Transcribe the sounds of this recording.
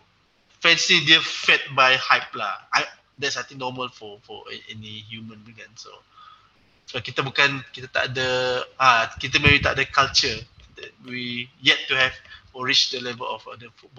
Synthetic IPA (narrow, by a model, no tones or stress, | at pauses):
fɛ̃nsidiəfɛt̚bajhaɪpla̰a | dɛtsnat̪ĩŋnɔməlfɔfɔ̰ɛ̰ɛ̰nihjumə̃nbiɡãnso̰ | swakit̪əbukãnkit̪ət̪a̰ʔ̚dəakit̪əmɛ̃wit̪a̰ʔ̚dəkalt͡ʃə | dɛ̰t̚wijɛtːuhɛvɔɹit͡ʃdəlɛvəlɔfa̰dəfut̚bɔ